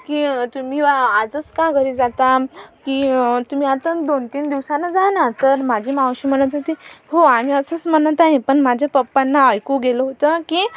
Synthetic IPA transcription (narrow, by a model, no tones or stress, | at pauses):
kiːt̪um̤iːad͡zət͡skaɡʱəɾiːd͡zat̪akiːt̪um̤iːat̪ãd̪ont̪iːnd̪iʋsanːad͡zanat̪əɾmad͡ʑʱiːmawɕim̤əɽ̃ət̪at̪iɦoam̤iːəsət͡sm̤ənət̪aɦẽpəɳmad͡ʑʱjapəpːanːaːjkuɡeləɦot̪əkiː